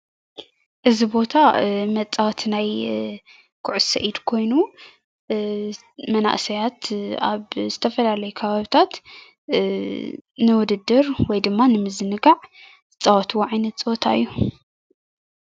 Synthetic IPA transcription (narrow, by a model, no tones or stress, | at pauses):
ʔɨzibo̞t̪ʰamɐt͡sʼːawt̪ʰnaj | kʰʊʕʊsɐ̰ʔid̪kʰo̞jnu | mɐna̰ʔsɐjat̪aβzɨt̪ʰɐfɐlalɐjukʰɐβaβit̪ʰat̪ | nɨwʊd̪ɨd̪ːɨɾwɔjd̪ɨmːanɨmɨzɨnɨɡaʕ | ɨt͡sʼːawt̪ʰwoʕajnɐt̪t͡sʼɨwɔt̪ʰa̰ɨ̰jːu